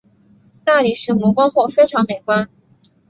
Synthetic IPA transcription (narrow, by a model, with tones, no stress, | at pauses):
t̪a˥˩li˨˩ʂɻ̩˧˥mwɔ˧˥kwa˥ŋxwɔ˥˩ʊfe˥ɪʈ͡ʂʰɑ˧˥ŋme˨˩ɪkwa˥n